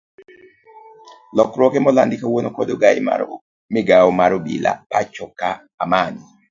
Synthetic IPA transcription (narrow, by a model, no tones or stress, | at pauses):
lɔkɾwɔkemɔlandɪkawonokɔdoɡaḭma̰ | mɪɡaomaɾobḭla̰pat͡ʃɔkːaːmani